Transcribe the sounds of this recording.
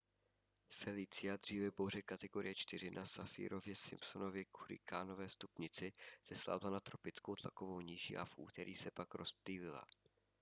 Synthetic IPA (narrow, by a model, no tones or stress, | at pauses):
fɛlit͡sɪad̪r̝iːvɛbowr̝ɛkat̪ɛɡo̞ɾɪ̰jɛt͡ʃt̪ɪr̝ɪnʔasafḭːɾo̞vjɛsɪmpso̞no̞vjɛkuɾɪ̰kʰaːno̞vɛːst̪upɲɪt͡sɪz̥ɛsla̰ːbɪlanat̪ɾo̞pɪt͡skowt̪la̰ko̞vowɲiʒiʔa̰fʔṵːt̪ɛɾʔḭːsɛpakɾʔo̞sp̚liːlɪla̰